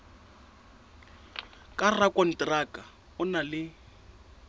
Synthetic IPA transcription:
kʼarakʼɔn̩trakʼa | ʊnalɪ

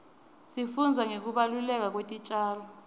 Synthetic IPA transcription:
sifund͡zʱaŋek̬uɓalulɛk̬ak̬wetʼit͡ʃʼaːlɔ

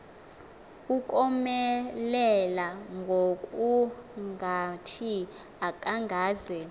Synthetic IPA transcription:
ukʼɔmɛlɛlaŋɡʱokʼuŋɡʱatʰi | akʼaŋɡʱaːzɛ

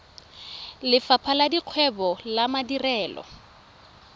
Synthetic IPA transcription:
lɪfapʰaladiq͡χʰwɛbɔlamadirɛːlɔ̰

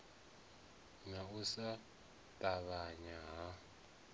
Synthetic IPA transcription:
nausa | tʼaβaɲaɦa

